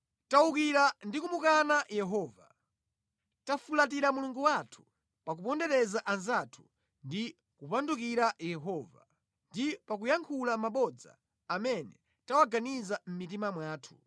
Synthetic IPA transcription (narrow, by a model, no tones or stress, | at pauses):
taukiɾandikumukanajɛɦɔːva | tafulat̬iɾamuluŋɡuwatʰu̥ | pak̬upɔndɛɾɛzaʔanzatʰu̥ | ndi | kupanduk̬iɾajɛɦɔːva̰ | ndipak̬ujaŋkʰulamaɓɔd͡za̰ː | mɛnɛ | tawaɡanizam̩mit̬imamwaːtʰu̥